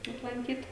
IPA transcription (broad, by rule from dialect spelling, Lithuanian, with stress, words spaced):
ɐplˠɐŋʲˈkʲiːt